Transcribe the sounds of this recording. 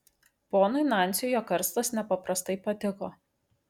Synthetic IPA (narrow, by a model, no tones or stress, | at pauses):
poːnʊɪnɑˑnʲt̪sʲɪjoːkɐɾst̪ɐsnʲɛpɐpɾɐst̪ɐɪpɐt̪ʲɪkoː